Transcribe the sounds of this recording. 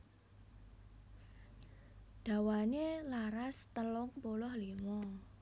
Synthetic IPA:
d̪̥ä̤wanelaɾast̪əlʊŋpolɔhlimɔ

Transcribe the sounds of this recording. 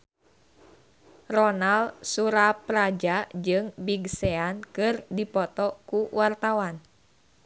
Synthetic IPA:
rɔnalsuɾapɾad͡ʒad͡ʒɨŋbiɡsɛankɨrdipɔt̪ɔkuwart̪awan

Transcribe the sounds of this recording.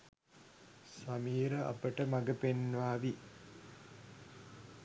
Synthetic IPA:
sɐmiːɾɐʔɐ̰pəʈəmɐɡəpenʋaːʋi

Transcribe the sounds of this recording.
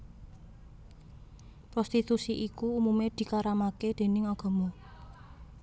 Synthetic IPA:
pɾɔst̪it̪usiʔikuumumed̪̥i̤kaɾamaked̪̥e̤nɪŋɔɡ̥ɔ̤mo

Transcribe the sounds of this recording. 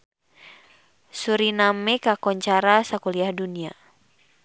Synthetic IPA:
suɾinamɛkakɔɲt͡ʃaɾasakuliahdunia

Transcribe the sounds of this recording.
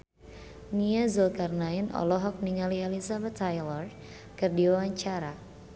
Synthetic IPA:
niazulkarnainɔ̰lɔɦɔk̚niŋalialisabɛt̪ʰajlɔr | kɨrdiwawaɲt͡ʃaɾa

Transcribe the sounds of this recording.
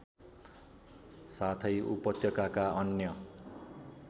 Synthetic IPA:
sat̪ʰʌjṵpʌt̪ʰjʌkakaʌnjʌ

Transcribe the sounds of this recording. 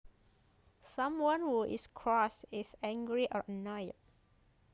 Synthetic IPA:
sãmwãnwuʔḭskʰɹɔsisɛ̃ŋɡɹiʔɔɹənɔjt̚

